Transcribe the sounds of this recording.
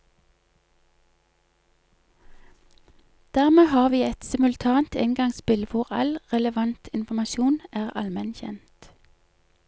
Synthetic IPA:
d̪̥æʁmeːhɑːʁʋiːɛt̪sɪmʉlt̪ʰɑːnt̪ʰɛŋɡɑŋspɪlʋʊʁɑ̰lʁɛləʋɑnt̪ʰɪnfɔmɑʃuːnæːʁɑ̰lmɛnçɛ̰nt̪

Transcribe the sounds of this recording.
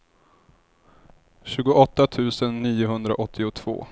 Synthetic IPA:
ɕʉ̟ːɡʊʔɔt̪ːat̪ʰʉ̟ːsənːiːʊɦɵnd̪ɾa̰ʔɔt̪ʰːɪʊt̪ʰv̥o̰ː

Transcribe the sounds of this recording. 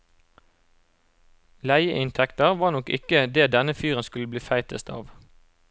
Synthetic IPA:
læɪəʔɪnt̪ʰɛkt̪əʁʋɑːnɔkɪ̰kəd̪eːd̪ɛnəfyːʁənskʉləbliːfæɪt̪ʰəst̪ʰɑ̰ːʋ

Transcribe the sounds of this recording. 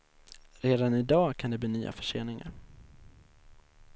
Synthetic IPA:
ɾeːd̪anɪd̪ɑːkʰand̪ɛbliːnyːʔa̰fœ̥ʂḛːnɪŋa̰ɾ

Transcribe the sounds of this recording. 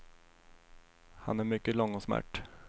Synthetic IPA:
ha̰næɾmʏkːəlɔŋːɔsmæ̰ʈː

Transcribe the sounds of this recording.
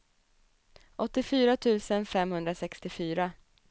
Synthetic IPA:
ʔɔt̪ːɪfyːɾat̪ʰʉ̟ːsənfɛmhɵnd̪ɾasɛkst̪ɪfyːɾa

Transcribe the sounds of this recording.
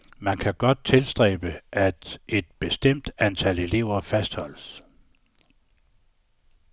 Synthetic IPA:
mænkʰæɡ̥ɒ̽d̥̚t͡sʰe̝lsd̥ʁɛ̰ːb̥əʔæd̥e̝d̥̚b̥e̝sd̥em̰d̥ænt͡sʰæle̝le̝ʊ̰ɐfæsd̥hɒ̽l̰əs

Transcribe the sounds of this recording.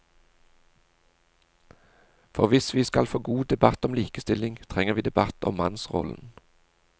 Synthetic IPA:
fɔʁʋɪsʋiːskɑlfoːɡuːd̪ɛbɑt̪ɔmliːkəst̪ɪlɪŋt̪ʰʁɛŋəʁʋiːd̪ɛbɑt̪ʰɔ̰mmɑnsʁɔ̰ln̩

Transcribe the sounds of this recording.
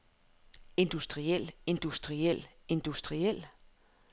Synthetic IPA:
e̝nd̥usd̥ʁiel̰e̝nd̥usd̥ʁiel̰ | e̝nd̥usd̥ʁiel̰

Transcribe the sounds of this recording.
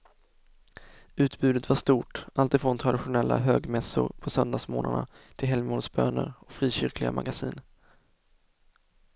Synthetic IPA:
ʉ̟ːt̪bʉ̟ːd̪ət̪vaʂt̪uːʈʔalt̪ɪfɾɔnt̪ʰɾad̪ɪɧʊnɛlːaɦøːɡmɛsʊɾpʰɔsœnd̪aːsmoːnaɳat̪ʰɪlɦɛlmuːnsbøːnəɾɔkfɾiːɕʏɾklɪɡamaɡasiːn

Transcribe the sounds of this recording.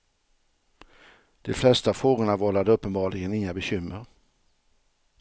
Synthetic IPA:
d̪̥ɛflɛst̪afoːɡʊɳavɔlːad̪əɵpːənbɑːɭɪɡənɪŋːabɛɕʏmːəɾ

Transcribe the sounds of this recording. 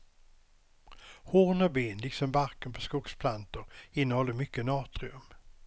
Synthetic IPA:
hoːnɔbeːnlɪksɔmbaɾkənpʰɔ̥skuɡspʰlant̪əɾɪnːəhɔlːəmʏkːənɑːt̪ɾɪɵm

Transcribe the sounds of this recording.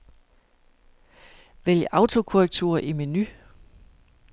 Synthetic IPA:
ʋeljəʔɑ̈ʊt͡sʰo̝kʰoʁɛɡ̥̚t͡sʰṵːɐʔimeny

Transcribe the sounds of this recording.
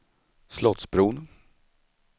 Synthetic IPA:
slɔt̪sbɾuːn

